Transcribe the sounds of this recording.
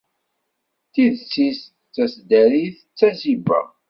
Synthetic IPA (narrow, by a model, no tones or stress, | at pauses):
θiðt͡sːis | t͡sːæsd̪æɾiθ | t͡sːæzibæ̰